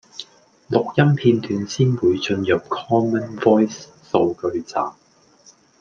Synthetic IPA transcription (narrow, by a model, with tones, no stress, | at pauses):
lʊ˨k̚jɐ˥mpʰiː˧nt̪yː˨˧˥nsiː˥nwuː˨˧jt͡sɵ˧njɐ˨p̚kʰɔː˥mə˥nvɔː˥jsː | o˧wkɵ˧ɥt͡sa̰ː˨m